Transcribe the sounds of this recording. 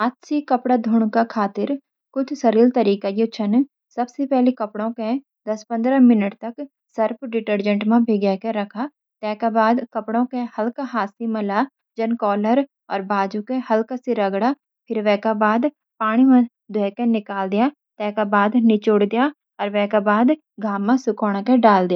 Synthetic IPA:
aːt̪sikɐpɽad̪ʱʊɳ̃kakʰaːt̪ɪɾ | kʊt͡ʃʰsəɾiːlt̪ɐɾiːkajot͡ʃʰən | sɐbsepɛɦlekɐpɽõkẽ | d̪ɐspə̃nd̪ɾamɪnəʈt̪ɐk | səɾpʰɖɪʈəɾd͡ʒə̃ɳʈmãbʱeɡɛkeɾɐkʰa | t̪ɛːkabaːd̪kɐpɽõkehɐlkaɦaːsimɐla | d͡ʒənkɔːləɾ | ɔːɾbaːd͡ʒukehɐlkasiɾəɡɽaː | pʰɪɾʋɛːkabaːd̪ | paːɽ̃imã | d̪ʱʊɛːkenɪkaːld̪ɪjaː | t̪ɛ̃ːkabaːd̪nɪt͡ʃoɽd̪ɪjaː | ɔːɾʋɛ̃ːkabaːd̪ | ɡʱaːmːãsʊkoːɽ̃keɖaːld̪ɪjaː

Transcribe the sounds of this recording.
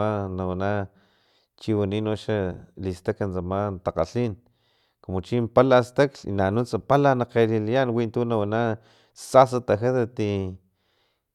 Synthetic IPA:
anawana | t͡ʃiwaninoʃalist̪akansamant̪aqaɬin | komot͡ʃimpalast̪aklḭnanut͡sapalanaqelilijanwint̪unawana | sas̬at̪axat̪at̪i

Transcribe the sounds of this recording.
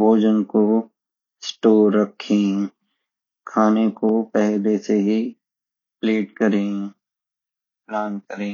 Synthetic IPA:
bʱoːd͡ʒənko | sʈoːɾːɐkʰːẽː | kʰaːnekopɛɦleseɦi | pleːʈkɐɾẽː | plaːnkəɾẽː

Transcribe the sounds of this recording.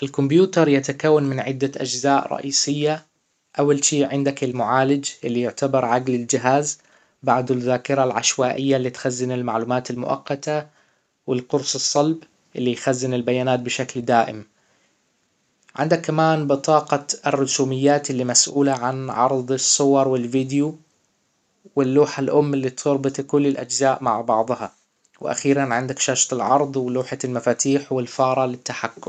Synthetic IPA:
ʔɪlkʊmbjuːt̪ɑɾˤjat̪akawːanmɪnʕɪd̪ːaʔad͡ʒzaːʔɾˤɑ̰ʔiːsɪjːa | ʔawːalʃiːʕɪnd̪akɪlmʊʕaːlɪd͡ʒʔɪlːijʊʕt̪abɑɾˤʕaɡlɪld͡ʒɪɦaːz | baʕd̪ɪlðːaːkɪɾalʕaʃwaːʔɪjːalːit̪xazːɪnɪlmaʕluːmaːt̪ɪlmʊ̰ʔɑ̰qːɑt̪a | wɪlqʊɾsˤɨsˤːɑlb | ʔɪlːijxazːɪnɪlbajaːnaːt̪̚bɪʃakld̪aːʔɪ̰m | ʕɪ̰nd̪akːamaːnbɨt̪ˤɑːqɑɪrːʊsuːmɪjːaːt̪lːimasʔuːlaʕanʕɑ̰ɾˤd̪ˤɨsˤːʊwɑɾˤwɪlviːd̪ju | wɪlːuːħalʔʊmːɪlːit̪ʰʊɾbɨt̪ˤkʊlːɪlʔad͡ʒzaːʔmaʕbɑʕðˤhɑ̰ | wʔa̰xiːɾanʕɪnd̪akʃaːʃt̪ˤɪlʕɑɾˤd̪ˤwɪluːħalmafaːt̪iːħwɪlfɑːɾˤɑlɪt̪ːaħakːʊm

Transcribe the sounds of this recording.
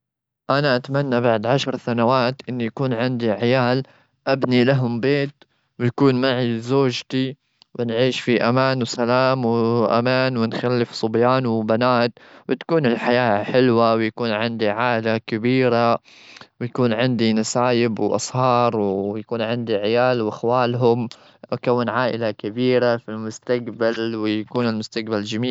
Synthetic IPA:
ʔanaʔat̪manːabaʕd̪ʕaʃɾˤsanawaːt̪ʔɪnːijakuːnʕɪnd̪iʕɪjaːl | ʔabnilaɦʊmbeːt̪ | wjakuːnmaʕizoːʒt̪i | wɪnʕiːʃfiʔamaːnwsalaːmwʔa̰maːnwɪnxalːɪfsˤʊbjaːnwbanaːt̪wʔɪt̪kuːnɪlħajaːħɪlwawjakuːnʕɪnd̪iʕaːʔɪlakabiːɾa | wjakuːnʕɪnd̪inasaːjɪbwʔɑ̰sˤhɑːɾˤwjakuːnʕɪnd̪iʕɪjaːlwʔaxwaːlɦʊm | ʔakawːɪnʕaːʔɪlakabiːɾafilmʊst̪akbalwɪjakuːnɪlmʊst̪aq̚bald͡ʒamiːl

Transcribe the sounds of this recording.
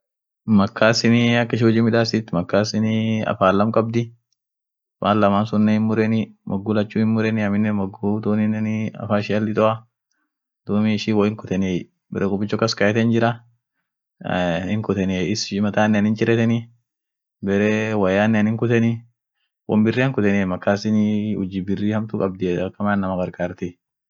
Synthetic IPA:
mɐkʰːaːsɪniɐkːɪʃ̬ɔd͡ʒiːmɪᶑaːsɪt̪ːmɐkːaːsɪnɐ̰faːlːɐmkʼɐb̚d̪ɪ | maːllɐmaːnsʊnːɛhɪnmʊɾɛnɪmʔɐɡːʊlɐt͡ʃːuːhɪnmʊɾɛnɪɐmɪnːɛmɐɡut̪oːnɪnɛnɪɐ̰faːɪʃɪɐlːɪt̪ʼɔʔɐ | d̪̥ʊmiɪʃiːwɐɪŋkʊt̪ɛnej | bɛɾɛkʼʊbɪt͡ʃːɔkːɐskɐjɛt̪ɛnd͡ʒɪɾɐ | hɪŋkʊt̪ɛniɪsɪʃɪmɐt̪aːnːɛɐnɪnt͡ʃʼɪɾɛt̪ɛnɪ | bɛɾewɐjaːnːɛɐnɪŋkʊt̪ɛnɪ | wɔ̰mbɪrːiːɐŋkʊt̪ɛnimɐkːaːsɪnɪhʊd͡ʒibɪrːiːhɐmt̪ʊkʼɐb̚d̪ɪɐkːɐmaːnːɐmɐɡɐɾɡaːɾt̪ɛ

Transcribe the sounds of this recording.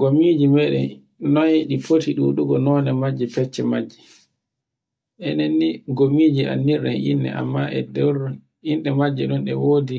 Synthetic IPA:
ɡomid͡ʒimɛɗɛn | nɔjɗipʰotiɗuɗuɡɔnɔnɛmad͡ʒːipɛt͡ʃːɛmad͡ʒːi | ʔɛnenːiɡomid͡ʒia̰nːiɾɗɛnʔḭnːɛ̰ʔa̰mːaʔɛ̰dɛwɾ | inɗɛmad͡ʒːɛɗunɗɛwoːdi

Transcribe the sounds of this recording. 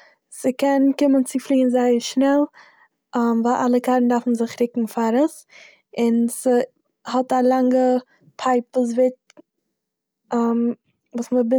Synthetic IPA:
səkɛnkɪmənt͡sɪflˠiːnzaɪəɾʃnɛlˠ | mvalʔalˠəkaɾn̩dafn̩zɪχɾɪkŋ̩faɾəs | ɪnsə | hɔtalˠaŋɡə | pʰaɪpvuːs̬vɪt | m | vuːsməbɪ

